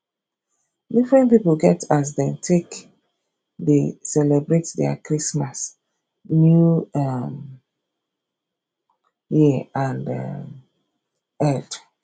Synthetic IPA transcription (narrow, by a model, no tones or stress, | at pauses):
difɹɛ̃ntpipolɡɛtas̬dɛ̃ntʰek | desɛlɛbɹetdɛ̰a̰kɹismas | njuam | jiãnda̰ | ɛd